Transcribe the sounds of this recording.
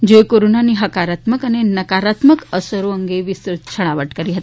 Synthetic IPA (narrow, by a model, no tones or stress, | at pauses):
d͡ʑekoɾonaniːɦəkaɾat̪məkanenəkaɾat̪məkəsəɾoəŋɡeʋisɾut̪t͡ɕʰəɽ̃aʋəʈkəɾiːɦət̪i̥